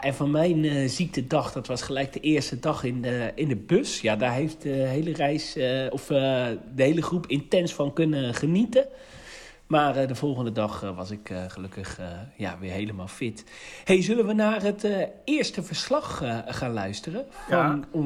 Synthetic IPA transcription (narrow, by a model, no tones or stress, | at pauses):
ʔɛnvɔnmɛjnzik̚tədɑxd̥ɔtʋɔsχəlɛjk̚dəʔɪːstədɑxɪnəɪndəbøsjadaːɹɦejft̚dəɦejlərɛjsɔfdəhejləχrupʰɪntɛnsfɔnkɵnəχənitə | maːrdəvɔlˠχəndədɑxʋɔsɪkχəløkəxja̰ʋɪɹɦejləmaːlˠfɪt | hejzølənʋənaːrətɪəɹstəvəɹslɑxχaːnlœɥstərəfɔn